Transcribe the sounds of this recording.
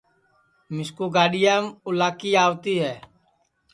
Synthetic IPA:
mɪskuːɡaːɗijəːmʊlaːkiːaːʋt̪iːɦɛː

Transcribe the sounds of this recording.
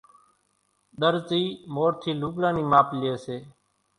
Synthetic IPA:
ɗəɾt͡ʃiːmoːɾt̪ʰiːluːɡlãːniːmaːplɪeːseː

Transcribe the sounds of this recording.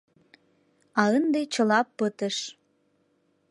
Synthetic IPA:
ɑənd̪ejt͡ɕə̆lɑpːət̪əʃ

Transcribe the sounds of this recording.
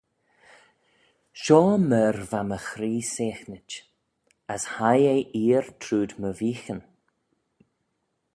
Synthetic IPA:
ʃɔːmɛːɾvaməxɾiːseːxnət͡ʃ | əshajejʔiːɾt̪ʰɾuːd̪məviːxən

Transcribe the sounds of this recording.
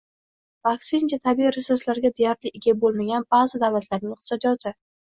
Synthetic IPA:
vaksɪnt͡ʃʰat̪ʰabiɾɪsʊslaɾɡʲad̪ejaɾlɪʔɪɡʲabolˠmaɡʲanbaʁzɪd̪avlat̪ʰlaɾnɪŋɪqt̪ʰɪ̥sɒd̪ijɒt̪ʰɪ

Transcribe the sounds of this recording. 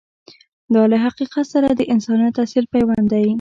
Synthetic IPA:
d̪ɑlaɦaqiqat̪saɾad̪əʔɪnsɑnjat̪asilpajwand̪aji

